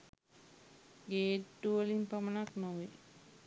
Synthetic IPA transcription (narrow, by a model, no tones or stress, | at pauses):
ɡeːʈːuəlimpamənaknoʋi